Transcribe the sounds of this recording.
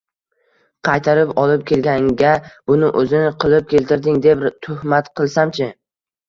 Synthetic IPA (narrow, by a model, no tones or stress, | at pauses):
qʰɑjt̪ʰaɾɪpɒlˠɪp̚kʲʰe̞lɡʲaŋɡʲabʊnɪʔɵzɪnɪqʰɨlˠɪp̚kʲe̞lt̪ɪɾd̪ɪŋd̪e̞pt̪ʰʊhmat̪qʰɨlˠsamt͡ʃʰɪ